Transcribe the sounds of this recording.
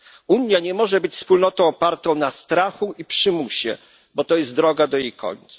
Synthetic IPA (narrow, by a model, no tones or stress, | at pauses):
uɲjaɲɛmɔʐɛbɘt͡ɕfspulnɔt̪ɔ̃w̃ɔpaɾt̪ɔ̃w̃nast̪ɾaxuipʂɘmuɕɛ̰ | bɔt̪ɔjɛst̪d̪ɾɔɡad̪ɔjejkʰɔ̰ɲt̪sa